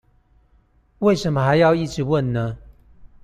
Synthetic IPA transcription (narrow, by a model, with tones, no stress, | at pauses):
we˥˩ɪʂə˨˦nmə˧xa˧˦ɪjɑ˥˧ʊi˥˨ʈ͡ʂɻ̩˧˦wə˥˨nːə˦